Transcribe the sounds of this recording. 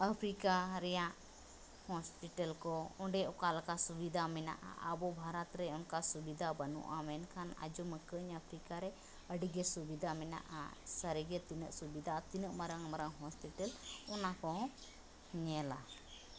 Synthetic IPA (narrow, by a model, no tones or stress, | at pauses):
əpʰɾikaɾɛjãʔ | hɔspiʈəlkɔɔ̃ɖɛɔkalkasubid̪ʱamɛna̰ʔa̰ʔəbɔbʱaɾat̪ɾɛɔnkasubid̪ʱabənṵʔamɛnkʰana̰d͡ʒɔməkəɲəpʰɾikaɾɛ | əɖiɡɛsubid̪ʱamɛna̰ʔa̰səɾiɡɛt̪inəʔsubid̪ʱat̪inəʔmaɾəŋmaɾəŋɦɔspiʈəlɔnakɔɦ | ɲɛla